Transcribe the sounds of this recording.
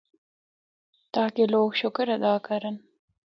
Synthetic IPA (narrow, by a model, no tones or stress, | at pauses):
t̪ɑːkiloːkʃʊkɾɐd̪ɑːkɐɾɐn